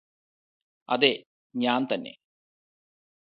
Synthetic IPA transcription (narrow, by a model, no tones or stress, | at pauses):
ɐ̰d̪e | ɲaːnt̪ɐnːḛ